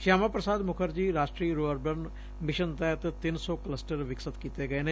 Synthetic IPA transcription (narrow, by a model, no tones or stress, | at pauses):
ʃaːmaːpɾəsaːd̪mʊkʰəɾd͡ʒiːɾaːʃʈɾiːɾoːəɾbən | mɪʃənt̪ɛːt̪t̪ɪnsɔːkələsʈəɾʋɪksət̪kiːt̪eːɡəeːneː